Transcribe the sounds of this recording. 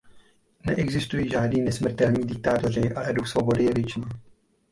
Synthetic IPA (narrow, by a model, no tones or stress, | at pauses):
nɛʔɛɡzɪst̪ujiːʒaːdniːnɛsmr̩t̪ɛlɲiːdɪk̚t̪aːt̪orɪʔalɛduxsvo̞bo̞dɪjɛvjɛt͡ʃniː